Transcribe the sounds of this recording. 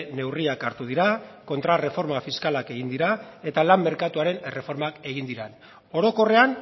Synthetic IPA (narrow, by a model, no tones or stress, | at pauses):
ne̞wriakaɾt̪uð̞iɾako̞nt̪ɾare̞fo̞ɾmafiskalake̞ɣind̪iɾae̞t̪alamːe̞ɾkat̪uaɾe̞nere̞fo̞ɾmake̞ɣ̞ind̪iɾen | o̞ɾo̞ko̞re̞an